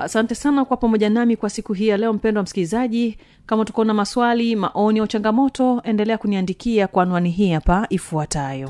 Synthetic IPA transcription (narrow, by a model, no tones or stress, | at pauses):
a̰santɛsanakwapamɔʄanamikwasikuɦiːjalɛɔm̩pɛndwam̩sikilizaʄi | kamatu̥kɔnamaswalima̰ʔɔniaut͡ʃaŋɡamɔtɔɛndɛlɛakuniandikiakwanwaniɦiːhapaifuatajɔ